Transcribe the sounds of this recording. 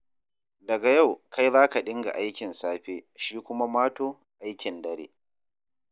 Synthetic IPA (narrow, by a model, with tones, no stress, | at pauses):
dɐ˨ɡa˨ja˦˨wkʰa˦jzaː˦ka˨ɗɪ˦ŋɡa̰˨ʔa˦jkʲɪ˨nsaː˦ɸeː˦ʃiː˦kʷʊ˦ma˦maː˦toː˦ | ʔa˦jkʲɪ˨ndɐ˨ɾḛː˦